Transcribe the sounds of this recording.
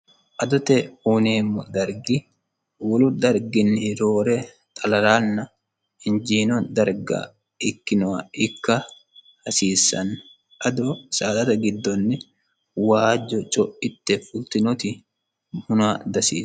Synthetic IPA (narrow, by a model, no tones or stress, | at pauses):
ʔɐd̪ɔt̪ɛuːneːmːɔd̪ɐɾɡɪ | wɔlʊd̪ɐɾɡɪnːɪɾoːɾɛ | t̪ʼɐlɐɾaːnːɐ | ɪnd͡ʒiːnɔd̪ɐɾɡa̰ | ɪkːɪnɔwaɪkːɐ | hɐsiːsːɐ̰nː | ʔɐd̪ɔsaːd̪ɐt̪ɐɡɪd̪ːɔnːɛ | waːd͡ʒɔt͡ʃʼɔʔɪt̪ːɛfʊlt̪ɪnɔt̪ɪ | hʊnad̪ɐsḭː